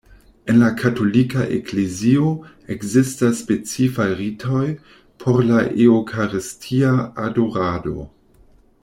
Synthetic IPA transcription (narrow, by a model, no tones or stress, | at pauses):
e̞nlakʰato̞likaʔḛklezio̞ | ekzistasːpe̞t͡sifajɾitʰo̞j | pʰo̞ɾlaʔeokʰaɾistʰiaːdoɾado̞̰